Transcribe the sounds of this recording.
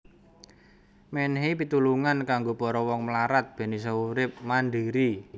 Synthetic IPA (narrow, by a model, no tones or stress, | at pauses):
mɛnɦipit̪uluŋankaŋɡopɔɾɔwɔŋməlaɾat̪̚b̥e̤nis̬auɾɪp̚manɖiɾi